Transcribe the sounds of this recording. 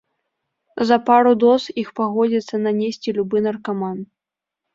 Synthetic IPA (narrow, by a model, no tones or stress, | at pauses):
zɐpaɾud̪ɔsixpaɣɔd͡zʲit̪sːɐnɐnʲesʲt͡sʲilʲubɨnɐrkaman